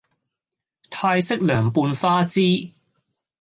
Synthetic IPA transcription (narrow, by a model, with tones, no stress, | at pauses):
t̪ʰaː˧jsɪ˥k̚lœː˨˩ŋpuː˧nfaː˥t͡siː˥